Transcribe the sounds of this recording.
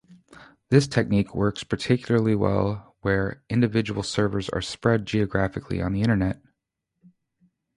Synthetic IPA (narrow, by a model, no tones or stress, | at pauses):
ðɪstʰɛk̚nikʰwɜ˞kspʰə˞tʰɪkʰjl̩ˠə˞lˠiwɛ̰lˠwə˞ʔɪ̃ndɨvɪd͡ʒəwl̩ˠsɜ˞və˞zə̰˞spɹɛd̚d͡ʒiɨɡɹæfɨkʰlḭə̰̃nðiɪ̃ɾ̃ə˞nɛt̚